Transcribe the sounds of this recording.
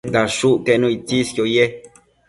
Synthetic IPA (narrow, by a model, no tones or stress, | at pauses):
d̪aʃuʔkenũit͡siskjoje